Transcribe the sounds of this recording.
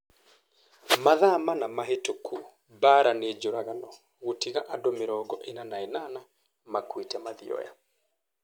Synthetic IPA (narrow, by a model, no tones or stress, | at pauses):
maðamanamaɦetokʰu | baɾaned͡ʒoɾaɣanɔ | ɣotiɣaʔadomeɾɔɡɔʔenanaɛnana | makwitɛmaðḭɔ̰ja̰